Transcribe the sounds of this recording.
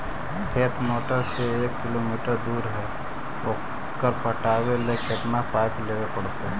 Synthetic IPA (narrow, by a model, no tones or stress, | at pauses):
kʰeːt̪ʰmoːʈəɾseeːkːɪlomiːʈəɾd̪uːɾɦɛ | oː | kəɾpəʈaːwelekeɪt̪napaːjkləɡepəɽ̤t̪eɦɛ